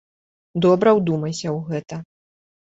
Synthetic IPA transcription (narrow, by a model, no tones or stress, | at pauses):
d̪ɔbɾɐwd̪umɐjsʲɐwɣɛt̪ɐ